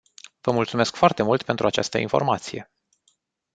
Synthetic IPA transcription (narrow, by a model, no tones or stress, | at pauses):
v̥əmult̪sume̞skfoart̪e̞mult̪pe̞nt̪ɾuat͡ʃa̰st̪ə̰ḭnfo̞̰rmat̪sije̞̰